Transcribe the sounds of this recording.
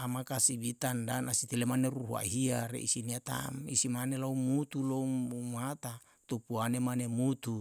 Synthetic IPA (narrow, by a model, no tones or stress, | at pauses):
amakasibit̪andanasit̪ilemaneɾuɦua̰ɦiaɾḛʔḭsiniat̪a̰mḭsimanelaumut̪uloumat̪a | t̪upuanemanemut̪u